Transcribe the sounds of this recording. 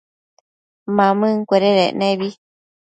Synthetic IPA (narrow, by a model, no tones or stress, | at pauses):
mãmɨ̃ŋkʷeɾeɾenẽβi